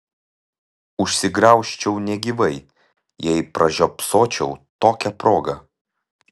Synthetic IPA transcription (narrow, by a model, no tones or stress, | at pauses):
ʊʃʲsʲɪɡɾɐˑʊʃʲt͡ʃʲɛʊnʲɛɡʲiʋɐɪ | jɛɪpɾɐʒʲoːpsoːt͡ʃʲɛʊt̪oːkʲɛpɾoːɡɐ